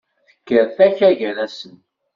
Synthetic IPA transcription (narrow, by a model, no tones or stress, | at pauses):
θə̥kːəɾθæçæʝəɾæsən